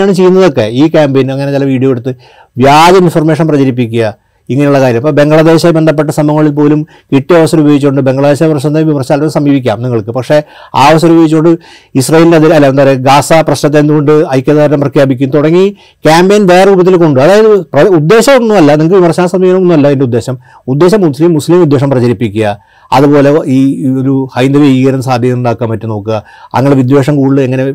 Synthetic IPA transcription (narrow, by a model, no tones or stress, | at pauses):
aːɳɨt͡ɕe̞jːunːɐðo̞kːe̞̰iːkʲaːmbeːnɐŋːɐnet͡ɕilɐʋiːɽijoːeɽut̪ːɨ | ʋjaːd͡ʑɐinforme̞ːʂɐnprɐd͡ʑɐɾip̬ːikʲːuɣɐ | iŋːɐnejuɭːɐkaːɾjɐmpoːbe̞ŋɡɐɭɐðe̞ːɕbe̞nd̪ɐp̬ːe̞ʈːɐsɐmɐŋːɐɭilpo̞ːlum | kiʈːiɐʋɐsɐɾubjeːɡit͡ɕːoɳɖɨbe̞ŋɡɐɭɐðeːɕɐprɐɕnɐt̪ːeʋimɐrɕaːlɐsɐmbiːʋik̬ʲːa̰ːmniŋːɐɭkɨpɐkʂe̞a̰ːɐʋɐs̬ɐɾnubeːɡit͡ɕːuoɳɖɨ | isrɐjeːlindeɐðiɐlːɐend̪aːɾeɡaːsaprɐɕnɐt̪̬ːend̪uɣo̞ɳɖɨɐjkʲːɐðaːɾɾɐmprɐkʰjaːbikʲːumt̪oɽɐŋːi | kʲaːmbeːnʋeːɐuːbɐt̪ːilko̞ɳɖɨɐðaːjɐðɨprɐud̪ːe̞ːɕɐmonːumɐlːɐniŋɐkːɨʋimɐrɕaːnsɐmbiːʋɐɐmonːumɐlːɐende̞ud̪ːe̞ːɕɐm | ud̪ːe̞ːɕɐmːuslimːuslimud̪ːe̞ːʂ̬ɐmprɐt͡ɕɐɾipːikʲːuɣɐ | ɐ̰ðupo̞ːle̞iːoɾuhɐjnd̪ɐʋeiɣɐɾɐnːɐsaːd̪ʱjɐjɐmuɳɖaːkːaːmpɐtːuno̞ːkːɨɐ̰ŋːɐɭeʋid̪ʋe̞ːʂɐmkuːɽilɨeŋːɐne̞